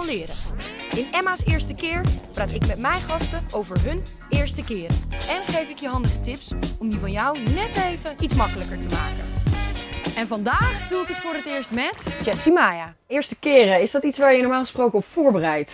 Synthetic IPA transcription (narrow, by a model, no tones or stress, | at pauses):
kɑnlɪːɾəɪnɛmaːsɪːɹstəkɪːɹpraːtɪkmɛtmɛjχɑstəowvəɹɦɵn | ɪːɹstəkɪːɾəɛnχejfɪkjəɦɑndəχətɪpsɔmdivɑnjʌwnɛtejvəitsmɑkələkəɹtəmaːkə̰n | ɛnvɑndaːχduɪkɦətfʊːɾətɪːɹstmɛtd͡ʒɛsimaja | ɪːɹstəkɪːrəɪsdɑtitsʋaːɹjənɔɹmaːlˠχə̥sprowkəɔffʊːɹbərɛjt